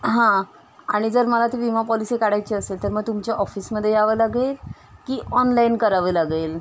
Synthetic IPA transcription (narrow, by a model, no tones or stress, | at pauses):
ɦã | aɽ̃id͡zəɾməlat̪iʋimapɔlisekaɽajt͡ɕiːəselt̪əɾməɡ̚t̪umt͡ɕjaʔɔfiːsməd̪ʱːjeaʋəlaɡel | kiːʔɔnlainkəɾaʋəlaɡel